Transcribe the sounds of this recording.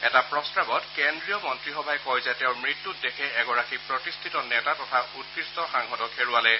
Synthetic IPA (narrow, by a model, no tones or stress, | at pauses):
ɛtapɹɔstabɔtkendɹijɔmɔntɹixɔbʱajkɔjzatɛʊ̃mɹitːut̚dekʰɛɛɡɔɹakipɹɔtistʰitɔnɛtatɔtʰautkɹistɔxaŋɦɔtɔkʰeɹualɛ